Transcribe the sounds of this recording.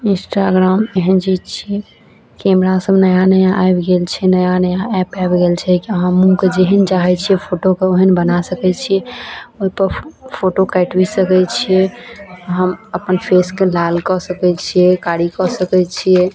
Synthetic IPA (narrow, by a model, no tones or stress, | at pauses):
insʈaɡɾameɦənd͡ʒit͡ʃʰiɛ | kɛmɾasəbnəjanəjaʔabɡelt͡ʃʰɛnəjanəjaɛpɛbɡelt͡ʃʰɛkiəɦãmũked͡ʒeɦənd͡ʒaɦɛt͡ʃʰijɛpʰoʈokeoɦənbənasəkɛt͡ʃʰieoɦipəɾpʰoʈokaʈbisəkɛt͡ʃʰieɦəməpənpʰeskelalkɔsəkɛt͡ʃʰiɛkaɽikɔsəkɛt͡ʃʰie